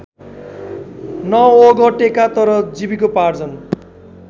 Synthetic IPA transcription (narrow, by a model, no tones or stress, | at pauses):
nʌoɡʌʈekat̪ʌɾʌd͡zibikopard͡zʌn